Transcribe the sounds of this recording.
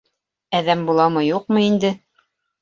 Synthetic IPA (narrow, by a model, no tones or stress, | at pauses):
æðæmbulˠɑmɤjuqmɤind̪ɘ